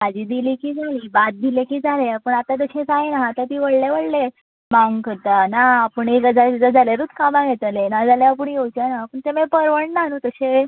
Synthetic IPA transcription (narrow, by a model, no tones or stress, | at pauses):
mad͡ʑiːd̪iliːkiːd͡zʱaliːbat̪̚d̪ilekiːd͡zʱaleapəɳat̪at̪̬əɕẽsaenaɦːt̪at̪iːʋəɽleʋəɽle | maŋɡkəɾt̪anaːpəɳeɾəd͡zat̪d͡zad͡zʱaljaɾuːt̪ʰkamãɡet̪alenad͡zaljaapəɳjewt͡ɕanapəɳt̪emẽpəɾʋəɳnanũːt̪əɕe